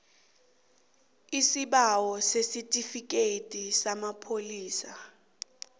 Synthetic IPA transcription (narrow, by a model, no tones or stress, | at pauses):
isiɓawɔsesitʼifik̬ʼetʼisamapʰoliːsa